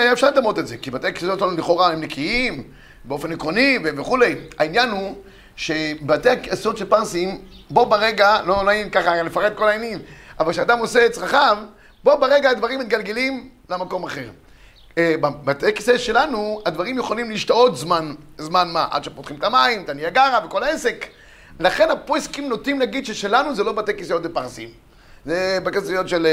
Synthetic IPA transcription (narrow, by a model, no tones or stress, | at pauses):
ajaefʃaʁlaːmʁot̪etzekibat̪ejakisot̪elanuleχo̞ʁahemnekʰiim | beo̞fenikʁoniveveχule̞ja̰injanu | ʃe̞bat̪eakeso̞t̪ʃelpaʁsim | bo̞baʁeɡalo̞nainkaχalefaʁed̪̚ko̞laenimavalkʃead̪amose̞et͡sʁaχav | bo̞beʁeɡaːd̪vaʁimit̪ɡalɡelim | lamako̞maχe̞ʁ | babat̪ekiseʃe̞lanuad̪vaʁimjuχolimliʃt̪oo̞t̪zmanzmanmaʔa̰d̪ʃepot̪χimet̪amaimt̪aniaɡaʁaveko̞laese̞k | laχe̞nhaposkimnot̪imlaɡid̪ʃeʃelanuzelo̞bat̪ekisjot̪depaʁsḭm | zebekesojot̪ʃel